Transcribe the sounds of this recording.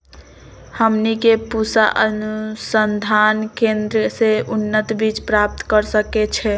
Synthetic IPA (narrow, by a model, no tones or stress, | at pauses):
həmnikepusaʔənusənd̪ʱankend̪ɾəseunːət̪bit͡ʃpɾap̚t̪kəɾsəket͡ʃʰɛ